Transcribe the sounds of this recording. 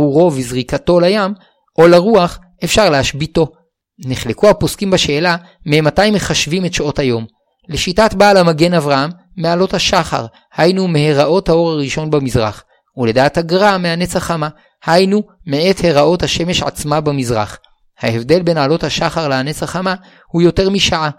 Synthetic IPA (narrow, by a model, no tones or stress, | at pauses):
uʁo̞vizʁikato̞lajam | ʔo̞laʁuaχ | e̞fʃaʁlehaʃbito̞ | niχlekuhaposkimbaʃe̞ːla | mematajimːeχaʃvimetʃothajo̞m | leʃitatbalamaɡe̞navʁahamː | ealo̞thaʃaχa̰ʁ | hajnume̞heʁaʔo̞thao̞ʁaʁiʃo̞nbamizʁa̰χ | ule̞daːthaɡʁameanet͡saχama | hajnu | mee̞the̞ʁaʔo̞thaʃe̞me̞ʃʕa̰t͡smabamizʁa̰χ | haevde̞lbe̞nʕalo̞thaʃaχaʁleanet͡saχama | hujo̞te̞ʁmiʃaʕa